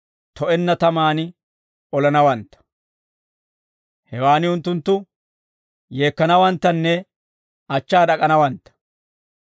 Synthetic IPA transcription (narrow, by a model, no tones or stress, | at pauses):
t̪ɔʔɛnːɐt̪ɐmaːnɪ | ɔlɐnɐwɐnt̪ːɐ̥ | hɛwaːnɪʊnt̪ːʊnt̪ːʊ | je̞ːkːɐnɐwɐnt̪ːɐnːɛ | ɐt͡ʃːaːdɐkʼɐnɐwɐnt̪ːɐ̥